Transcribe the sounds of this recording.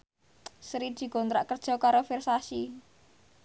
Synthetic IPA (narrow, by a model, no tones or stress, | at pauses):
sɾid̪̥i̤ɡɔ̤nt̪ɾaʔkərd̥ʒ̥ɔ̤kaɾofirsasi